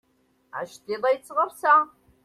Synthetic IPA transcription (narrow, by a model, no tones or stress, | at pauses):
a̰ːʃtʰeːlɐjt͡sʼɨʁɐrsaː